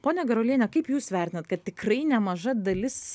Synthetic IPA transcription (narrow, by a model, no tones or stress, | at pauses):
poːnʲɛɡʲɐɾolʲiːnʲɛkɐɪpjuːsʋʲæˑɾʲt̪ɪnɐt̪kɐt̪̚t̪ʲɪkrɐɪnʲɛmɐʒɐd̪ɐlʲɪs